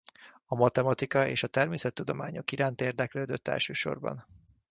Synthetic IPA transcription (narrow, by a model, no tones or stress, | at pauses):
ɒmɒt̪ɛmɒt̪ikɒeːʃɒt̪ɛrmeːsɛt̪ːud̪o̞maːɲo̞kiɾaːnt̪eːrd̪ɛkløːd̪øt̪ːɛ̰lʃøːʃo̞̰rbɒ̰n